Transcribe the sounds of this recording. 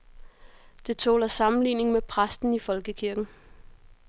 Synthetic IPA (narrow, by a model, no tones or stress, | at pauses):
d̥e̝t͡sʰo̰ːlɐsɑ̈mn̩lḭːne̝ŋmepʰʁasd̥n̩ifɒ̽lɡ̥əkʰiɐɡ̥n̩